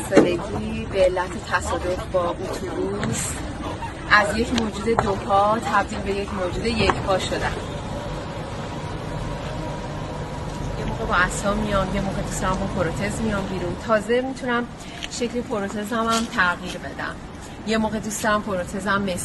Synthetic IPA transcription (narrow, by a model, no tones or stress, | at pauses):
seleɟiːbeːlːæt̪ʰet̪ʰæsɒːd̪o̞fbɒːʔot̪ʰubuz | ʔæzje̞cmod͡ʒuːd̪e̞d̪opʰɒːt̪ʰæbd̪ilbe̞je̞cʰmoːd͡ʒuːd̪e̞je̞cʰbʰɒːʃo̞d̪æn | jemoːɣe̞bɒæsɒmijɒmje̞moːɣe̞d̪ust̪ɒɾæmbɒpʰoɾot̪ʰe̞zmijɒmbiːɾunt̪ʰɒːze̞mit̪ʰunæm | ʃe̞clipʰo̞ɾot̪ʰe̞zæmæmt̪ʰæɣiːɾbe̞d̪æ̰m | je̞moːɣe̞d̪ust̪ɒɾæmpʰo̞ɾot̪ʰe̞zæmːes